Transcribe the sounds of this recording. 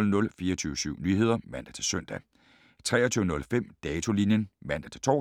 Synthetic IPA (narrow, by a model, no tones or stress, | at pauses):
lnɔ̽lfiːɐt͡sʰyːʊəsyʊ̰nyːɦe̝ð̞̰ˠɐʋæn̰d̥æt͡sʰe̝lsøn̰d̥æ | t͡sʰʁɛːɐt͡sʰyːʊənɔ̽lfem̰d̥ɛːt͡sʰo̝linjənʋæn̰d̥æt͡sʰe̝lt͡sʰɒ̰